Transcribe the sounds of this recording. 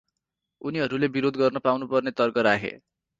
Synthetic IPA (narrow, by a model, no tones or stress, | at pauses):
uniɦʌɾulebiɾod̪ɡʌrnʌpawnupʌrnet̪ʌrkʌɾakʰḛ